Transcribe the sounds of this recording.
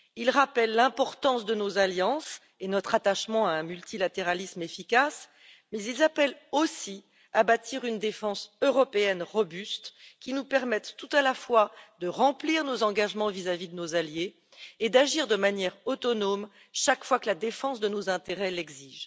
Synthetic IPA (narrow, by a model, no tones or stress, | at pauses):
ilʁapɛlːɛ̃pɔʁt̪ɑ̃sd̪ənozaljɑ̃s | enɔt̪χat̪aʃmɑ̃aɛ̃mylt̪ilat̪eʁalismefikas | mɛzilzapɛlosi | abat̪ʰiʁynd̪efɑ̃søʁɔpeɛnʁɔbyst̪kʲinupɛʁmɛt̪ːut̪alafwad̪əʁɑ̃pliʁnozɑ̃ɡaʒmɑ̃vizavid̪ənozaljeː | d̪aʒiʁd̪əmanjɛʁɔt̪ɔnom | ʃakfwakəlad̪efɑ̃sd̪ənozɛ̃t̪eʁɛlɛɡziːʒ